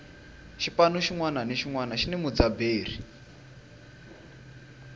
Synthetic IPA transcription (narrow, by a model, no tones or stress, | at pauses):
ʃipanuʃiŋwananiʃiŋwanaʃinɛmud͡zabeːr̤i